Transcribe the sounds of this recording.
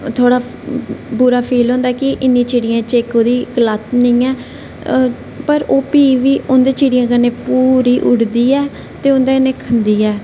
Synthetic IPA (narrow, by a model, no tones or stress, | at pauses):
t̪ʰoːɽaː | buɾaːpʰiːlɦõːnd̪aːkɪʔɪnːĩːt͡ʃeːɽijãːt͡ʃeːkoːd̪iːkəlat̪nəĩːɛː | pəɾoːpiːʋiːʔʊnd̪eːt͡ʃiːɽijãːkəneːpuːɾiːʔʊɽd̪iːɛː | t̪eːʊnd̪aeːneːkʰənd̪iːɛː